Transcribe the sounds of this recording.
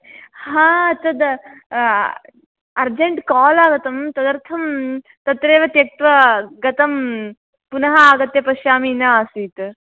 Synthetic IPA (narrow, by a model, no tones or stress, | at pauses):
ɦãːɐt̪ɐd̪ | ɐɾd͡ʒeɳʈkaːlaːɡɐt̪ɐmt̪ɐd̪ɐɾt̪ʰɐm | t̪ɐt̪ɾeːʋɐt̪jɐk̚t̪ʋɐɡɐt̪ɐm | punɐɦɐaːɡɐt̪jɐpɐʃjaːminaaːsiːt̪